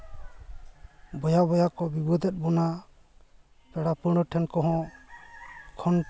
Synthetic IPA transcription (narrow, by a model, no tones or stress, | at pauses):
bɔjabɔjakɔbibɔd̪ɛt̪̚bɔna | pɛɽapəɽ̃ɔʈʰɛnkɔɦɔ̃ | kʰɔn